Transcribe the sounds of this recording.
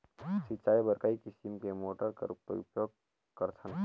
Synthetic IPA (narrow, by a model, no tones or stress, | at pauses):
sitːt͡ʃaːjbəɾkaikɪsimkemoːʈəɾkɐ̰ɾpṵpjoːɡ̚ | kəɾtʰən